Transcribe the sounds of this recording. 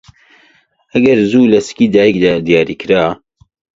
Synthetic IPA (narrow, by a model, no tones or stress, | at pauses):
ɐɡɐɾzulɐskiːd̪aːjəkd̪aːd̪ijaːɾiːkɾaː